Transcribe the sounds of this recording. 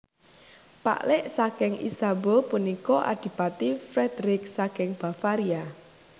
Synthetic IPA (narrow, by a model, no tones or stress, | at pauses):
pa̰ʔlɪʔsakɪŋʔḭsabopunikɔʔa̰d̪̥i̤pat̪ifɾɛd̪̥ɾɪk̚sakɪŋb̥a̤faɾia